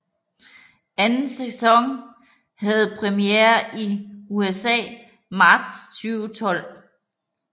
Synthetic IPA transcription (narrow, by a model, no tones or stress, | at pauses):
ænn̩sesɒ̽ŋ | hæð̞̩ˠpʰʁɛmijeɐiuesɛ̰ː | mɑ̈ːd̥st͡sʰyːʊt͡sʰɒ̽l̰